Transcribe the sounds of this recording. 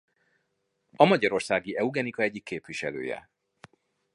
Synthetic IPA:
ɒmɒɟɒɾo̞rsaːɡiʔɛuɡɛnikɒɛɟːikːeːpʋiʃɛlø̰ːjɛ̰

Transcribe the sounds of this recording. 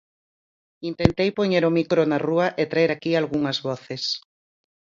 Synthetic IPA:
int̪ent̪ejpoɲeɾomikɾonɐruɐʔet̪ɾaeɾakialɣuŋɐzβɔθes

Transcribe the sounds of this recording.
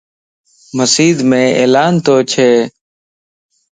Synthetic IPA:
məsiːd̪mẽːeːlaːnt̪oːt͡ʃʰeː

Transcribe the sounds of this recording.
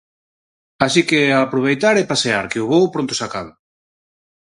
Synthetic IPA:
asikeapɾoβ̞ejt̪aɾepaseaɾkeʊβowpɾõnt̪ʊ̥sakaβʊ

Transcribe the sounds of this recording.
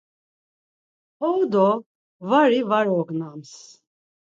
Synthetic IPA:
ɔwd̪ɔ | vaɾivaɾɔɡnams

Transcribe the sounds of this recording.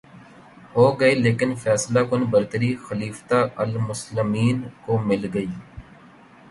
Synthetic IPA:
ɦoːɡəeːleːkɪnfʰɛːslaːkʊnbəɾt̪əɾiːxəliːft̪aːəlmʊslɪmiːnkoːmɪlɡəiː

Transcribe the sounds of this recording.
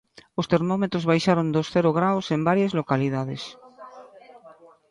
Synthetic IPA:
ost̪eɾmɔmet̪ɾozβajʃaɾõnd̪osθeɾoɣɾawsembaɾjazlokaliðaðes

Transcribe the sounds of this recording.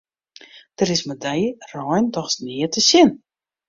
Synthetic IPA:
d̥əɾɪsmədəjrɔːjndɔxsniətʰəsɪn

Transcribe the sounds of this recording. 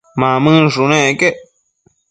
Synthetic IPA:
mãmɨ̃ʐunẽkeʔ

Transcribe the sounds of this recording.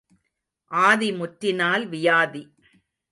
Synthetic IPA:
ʔaːðimʊʈɾɪnaːlʋɪjaːði

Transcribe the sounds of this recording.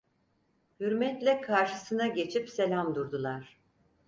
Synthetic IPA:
hyɾmɛt̪lʲɛkʰaɾʃɯsɯnaɟe̞t͡ʃʰipse̞lʲamd̪uɾd̪ulˠaɾ̥

